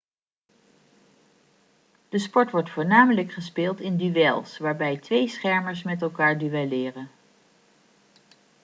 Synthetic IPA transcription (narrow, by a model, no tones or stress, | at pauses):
d̥əspɔɹtʋɔɹtfʊːɹnaːmələkχəspɪːlˠtɪndyʋɛlˠsʋaːɹbɛjtʋejsχɛɹməɹsmɛtɛlˠkaːɹdyʋɛlɪːrən